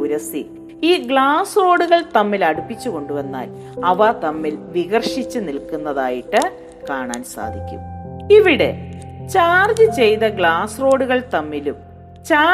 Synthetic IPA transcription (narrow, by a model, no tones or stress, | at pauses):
uɾɐsi | iːɡɭaːsro̞ːɽuɣɐɭt̪ɐmːilɐɽupːit͡ɕːuko̞ɳɖuʋɐnːa̰ːl | ɐʋɐt̪ɐmːilʋiɣɐrʂit͡ɕːɨnilkunːɐðaːjiʈːɨ | kaːɳa̰ːnsa̰ːd̪ʱikʲːṵmiʋiɽe̞̰t͡ɕaːrd͡ʑɨt͡ɕe̞jt̪ɐɡɭaːsro̞ːɽuɣɐɭt̪ɐmːilum | t͡ɕaː